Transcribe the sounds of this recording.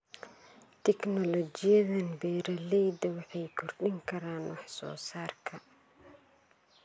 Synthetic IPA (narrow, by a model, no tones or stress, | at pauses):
t̪ʰɛknɔlɔt͡ʃɪjɐðɐnbɛːɾɐlɛjd̪ɐwɑħɑjkʰʊrɗɪŋkʰɐɾaːnwɑħsɔ̰ːsaːrkʰɐ